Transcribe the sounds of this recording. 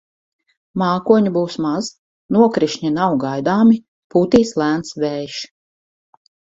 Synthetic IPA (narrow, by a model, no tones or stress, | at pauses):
maːkuɔɲubuwsmaz̥ | nuɔkɾiʃɲinawɡajd̪aːmi | puːt̪iːslˠæːnt̪svɛːjʃ